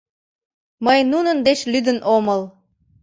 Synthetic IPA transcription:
məjnunənd̪et͡ɕlyd̪ənʔoməl

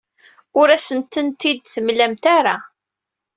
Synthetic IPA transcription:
ʊɾæsənt̪ənt̪id̪θəmlæmt̪aɾa

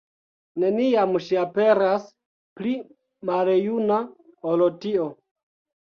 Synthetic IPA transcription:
ne̞niamʃiape̞ɾas | pli | malejunaolotio

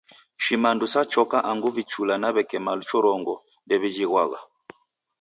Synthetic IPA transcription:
ʃimandusat͡ʃɔkaʔaŋɡuvit͡ʃulanaβɛkɛmalut͡ʃɔɾɔŋɡɔ | ndɛβid͡ʒiɣwaɣa̰

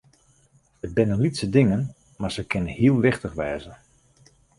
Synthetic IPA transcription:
əd̚bɪnənlitsədɪŋən | maɹz̥əkʰɪnənhiəlˠʋɪχtəχʋɛːzən

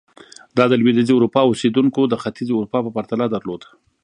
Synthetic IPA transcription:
d̪ɑd̪əlwed̪iziʊɾupɑosed̪uŋkod̪əxat̪izeʊɾupɑpəpaɾt̪alad̪əɾlod̪a

